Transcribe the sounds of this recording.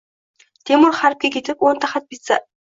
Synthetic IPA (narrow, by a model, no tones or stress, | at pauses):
t̪emʊɾχaɾp̚kʲekʲet̪ɪpont̪ʰaχat̪̚pit̪t͡sa̰